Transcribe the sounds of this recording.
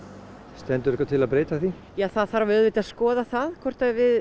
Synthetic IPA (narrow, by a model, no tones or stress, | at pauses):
st̪ɛnt̪ʏɾɛkvat̪ʰɪlaðpɾeːjt̪aθi | jaːθaðθaɾavœðvɪt̪aðskɔːðaθaðkʰvɔr̥t̪avɪð